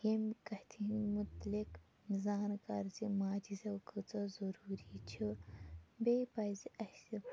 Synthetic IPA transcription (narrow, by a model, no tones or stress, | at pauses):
jemkɐht̪ʰinmut̪lik | zaːnkɐɾzimaːd͡ʒizɐkʰət͡sɐzɐɾuːɾit͡ʃʰu | bepɐjziɐsi